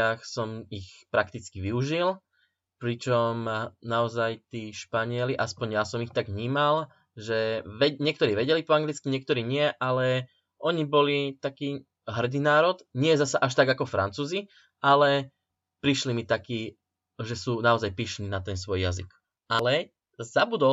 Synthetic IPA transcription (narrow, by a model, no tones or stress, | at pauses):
axsɔmixpɾakt̪it͡skiʋiuʒil | pɾit͡ʃɔmnaɔzajt̪iːʃpaɲɪɛliʔaspɔɲjasɔmixt̪aɡʋɲiːmal | ʒɛʋɛɲɪɛkt̪ɔɾiːʋɛɟɛlipɔaŋɡlit͡skiɲɪɛk̚t̪ɔɾiːɲɪɛʔalɛ | ʔɔɲibɔlit̪akiː | ɦr̩d̪iːnaːɾɔd̪ɲɪɛzasaʔaʃ̬t̪aɡakɔfɾa̰nt͡suːzi | ʔalɛ | pɾiʃlimit̪akiː | ʒɛsuːnaɔzajpiʃniːnat̪ɛnsʋɔjjazḭk | ʔalɛ | zabud̪ɔ